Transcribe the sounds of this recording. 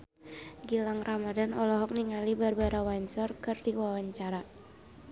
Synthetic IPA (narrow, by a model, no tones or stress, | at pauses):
ɡilaŋramadanɔlɔɦɔk̚niŋalibarbaɾawaɲt͡ʃɔrkɨrdiwawaɲt͡ʃaɾa